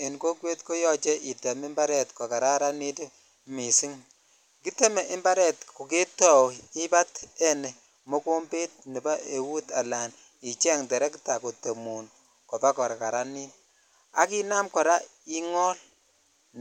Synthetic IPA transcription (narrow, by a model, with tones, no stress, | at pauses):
e˨nko˦kwe˦tko˦jɔ˦t͡ʃɛ˦ʔi˨te˨me˦mba˦ɾɛ˨tkɔ˨ka˨ɾa˦ɾa˦ni˦t | mi˨si˦ŋ | ki˦te˦me˨ʔɪ˦mba˦ɾɛ˨tko˨ke˦tɔ˨wi˦ba˦te˦ne˨ | mo˦ko˦mbe˦t̚ni˨ba˦e˨wu˦ta˨la˨n | i˨t͡ʃɛ˦ŋdɛ˨ɾɛ˦ki˦ta˨ko˨to˨mu˨n | kɔ˨ba˦kɔ˨ɾa˨ka˨ɾa˦ni˦t | a˦ki˦na˦mkɔ˨ɾa˦ | i˦ŋɔ˦l